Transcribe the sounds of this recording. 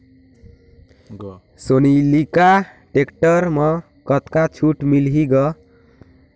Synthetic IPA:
sonilika | ʈekʈʌɾmʌ | kʌt̪kat͡ʃʰuʈmilɦiɡʌ

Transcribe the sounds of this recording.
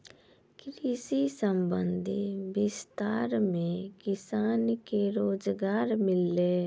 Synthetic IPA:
kɾisisəmbə̃nd̪ʱibɪst̪aːɾmẽkɪsaːnkeɾoːd͡ʒɡaːɾmɪlːeː

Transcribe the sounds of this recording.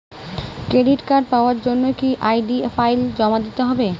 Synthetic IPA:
kɾeɖiʈkaɾɖ̚paoaɾd͡ʑonːokiʔajɖiefʰajld͡ʑɔmad̪it̪eɦɔbe

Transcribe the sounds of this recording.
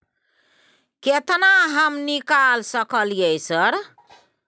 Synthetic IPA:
ket̪naɦəmnikalsəkəljəjsəɾ

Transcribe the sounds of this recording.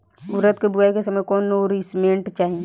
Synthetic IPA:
ʊɾət̪kebuajkesɐməjkɔːnːoɾismẽːɳʈt͡ʃaːɦẽ

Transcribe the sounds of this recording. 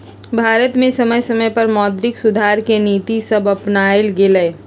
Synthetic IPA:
bʱaːɾət̪mẽsɐməjsɐməjpɐɾmɔːd̪ɾɪksʊd̪ʱaːɾkeniːt̪isɐbɐpnaːɪlɡɪləː

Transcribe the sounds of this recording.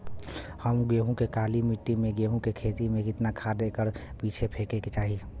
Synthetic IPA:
həmɡeːɦũkekaːlimɪʈːimẽɡeːɦũkekʰeːt̪imẽkɪt̪nakʰad̪ekəɾpiːt͡ʃʰepʰeːkeket͡ʃaːɦi

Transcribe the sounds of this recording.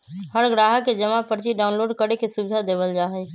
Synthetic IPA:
həɾɡɾaːɦəkːed͡ʒəmapəɾt͡ʃiɖaːʊnloːɖkəɽekesubɪd̪ʱad̪eːʋəld͡ʒaːɦɛ

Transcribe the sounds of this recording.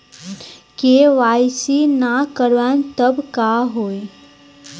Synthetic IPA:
keʋajsinakəɾʋant̪əbkaɦoːj

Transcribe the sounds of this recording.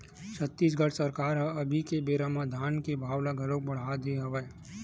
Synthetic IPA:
t͡ʃʰət̪ːiːs̬ɡʱɐɽsɐɾkaːɾɦɐbʱikebeːɾamad̪ʱaːnkebʱaːwlaɡʱɐlõkbɐɽ̤ad̪eɦɐʋə

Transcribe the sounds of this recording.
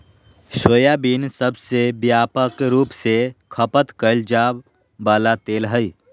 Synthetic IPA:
səjabiːnsəbsebjaːpəkɾuːpsekʰəpət̪kəɪld͡ʒaːb | baːlat̪eːlɦəi

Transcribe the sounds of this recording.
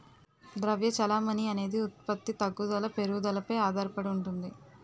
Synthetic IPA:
d̪ɾɐʋjɐt͡ʃɐlaːmɐniɐne̞ːd̪iut̪̚pɐt̪ːit̪ɐɡːud̪ɐlɐpe̞ɾuud̪ɐlɐpɐjaːd̪ʱaːɾɐpɐɽiuɳʈund̪i

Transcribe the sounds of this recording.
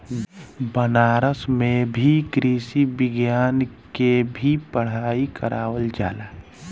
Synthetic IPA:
bənaːɾəsmẽbʱikɾiːsibɪɡjaːnkebʱipəɽ̤aːikə̰ɾʔa̰ːwəld͡ʒa̰ːlaː

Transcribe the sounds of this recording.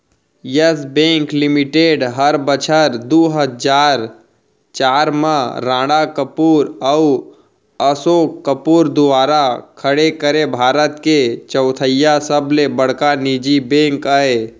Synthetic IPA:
jəsbẽːŋklɪmɪʈeɖɦəɾbət͡ʃʰəɾd̪uːɦəd͡ʒaːɾ | t͡ʃaːɾmãɾãːɽakəpuːɾəw | əsoːkəpuːɾd̪ʊaːɾakʰəɽekəɾebʱaːɾət̪ket͡ʃəʊt̪ʰəjasəblebəɽ̤kanid͡ʒibẽːŋkae

